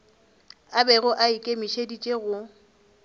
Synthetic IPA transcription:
abɛɣʊʔaikʼemiʃedit͡ʃʼeɣʊ

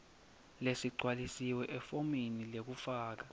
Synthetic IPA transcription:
lesiǀʱwalisiwɛʔɛfominilek̬ufaːk̬a

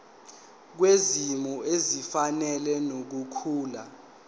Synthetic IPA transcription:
k̬wezimuezifanɛlɛnok̬ukʰuːla

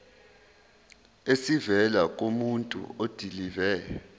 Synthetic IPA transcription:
esivɛlak̬ʼomuntʼṵod̥ʱilivɛːjɔ

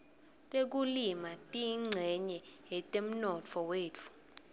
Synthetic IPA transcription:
tʼek̬ulimatʼiŋ͡ǀʱɛɲɛɦɛtʼem̩nɔt͡fʰɔweːt͡fʰu̥

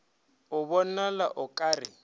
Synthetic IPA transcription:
ʊβɔnala̰ʔʊkʼaːrɪ

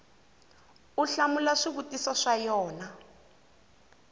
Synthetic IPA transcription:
uɬamulaʂiβutʼisɔʂajɔːna

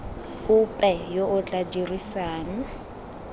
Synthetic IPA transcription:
ʊpʼɛjoʔʊt͡ɬʼadirisaːna

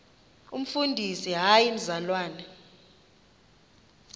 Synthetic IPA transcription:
ṵm̩fundʱisiɦajinzalwaːna

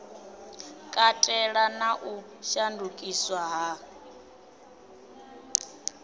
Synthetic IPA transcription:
kʼatʼɛɺanaʔu | ʃandʱukʼiswaɦa

